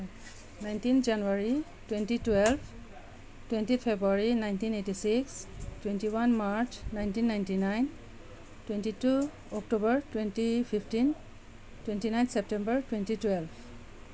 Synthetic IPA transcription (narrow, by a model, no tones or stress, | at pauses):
najntinʰd͡ʒanuaɹi | twɛ̃ntitwɛlbʰ | twɛ̃ntipʰebɹuaɹinajntinetisikstwɛntiwanmaɹt͡ʃnajntinːajntinajn | twɛntitu | ɔk̚tobəɹtwɛntipʰipʰtin | twɛntinaj̃nsɛp̚tɛ̃mbəɹtwɛ̃ntitwɛlb